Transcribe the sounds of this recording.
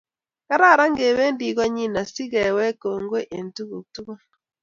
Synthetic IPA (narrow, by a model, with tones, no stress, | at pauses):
ka˦ɾa˦˨ɾa˦ŋɡe˨βe˦ndi˨ɣa˦ɲi˦na˨si˦ɣɛ˨wɛ˦ko˨ŋɡwe˦ʔe˨ntu˦ɣu˨tu˦ɣa˦